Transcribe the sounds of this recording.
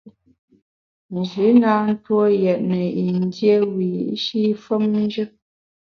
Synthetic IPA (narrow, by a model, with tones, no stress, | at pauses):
n̩˨d͡ʒʉ˨˦na˦n̩˦two˦jɛ˨ʔ̚nə˨i˨n˦dje˦wi˨˦ʃi˦fə˦mn˦d͡ʒə˦